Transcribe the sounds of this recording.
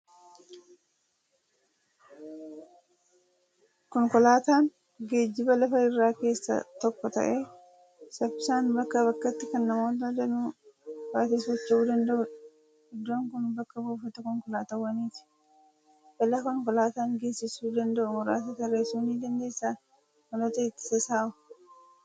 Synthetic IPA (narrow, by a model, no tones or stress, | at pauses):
kɔŋkɔlaːt̪aːŋ | ɡeːd͡ʒːɪbɐlɐfɐɪrːaːke̞ːsːɐ̰t̪ɔkːɔt̪ɐ̰ʔeː | sɐpːɪsaːnbɐkːɐβɐkːɐt̪ːɪkɐnːɐmoːt̪ɐd̪ɐnuːbaːt̪iːsɔt͡ʃːɐuːd̪ɐnd̪ɐʔʊᶑɐ̥ | ɪd̪ːo̞ːŋkʊnbɐkːɐbuːfɐt̪ɐkɔŋkɔlaːt̪ɐwːɐniːt̪ɪ̥ | bɐlakɔŋkɔlaːt̪aːŋɡe̞ːsːɪsuːd̪ɐnd̪ɐʔʊmɔɾa̰ːt̪ɐt̪ɐreːsuːniːd̪ɐnd̪e̞ːsːaː | mɐlot̪ɐɪt̪ːɪ̥sɐsaːʊ̥